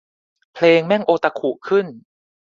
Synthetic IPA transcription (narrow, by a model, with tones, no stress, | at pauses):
pʰleː˧ŋmɛ˥˩ŋʔoː˧t̪a˧kʰu˨˩kʰɯ˥˩n